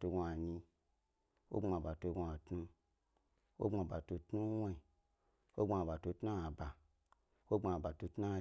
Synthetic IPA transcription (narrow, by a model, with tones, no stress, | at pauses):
to˧ɡo˧a˨ɲi˧ | wo̰˦ŋ͡ma˨ba˨to˧ɡo˧a˨tnu˧ | wo̰˦ŋ͡ma˨ba˨to˧tnu˦wa˦i˨ | wo˦ɡ͡ba˨ba˨to˧tna˦a˨ba˨ | wo˦ŋ͡ma˧˨ba˨to˧tnu˦˧˨